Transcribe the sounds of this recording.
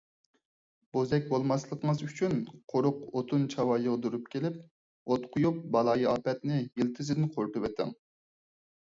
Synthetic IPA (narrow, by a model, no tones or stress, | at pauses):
b̥ozɛk̚ʲbolˠmɑslˠəqəŋəzyt͡ʃʰynqʰoɾʊqot̪ʰunt͡ʃʰɑwɑjəʁd̪uɾup̚kʲʰelɪp̚ | ot̪qʰʊjup̚bɑlˠɑːjiɑːpɛt̪nɪjilt̪ʰɪzɪd̪ɪnqʰoɾpɨwɛt̪ʰɪ̰ŋ